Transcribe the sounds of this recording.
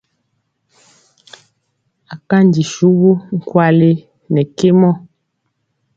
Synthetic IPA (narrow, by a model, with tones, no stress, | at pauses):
a˨ka˦n˨di˨ʃu˦ɣu˦ŋ̩˦˨kwa˦˨le˦ | nɛ˨ke˦mɔ˦˨